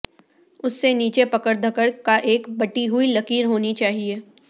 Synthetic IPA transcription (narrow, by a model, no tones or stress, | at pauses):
ʊsːeniːt͡ʃepɐkəɽd̪ʱɐkəɽkaʔeːkbɐʈiɦʊilɐkiːɾɦoːnit͡ʃaːɦieː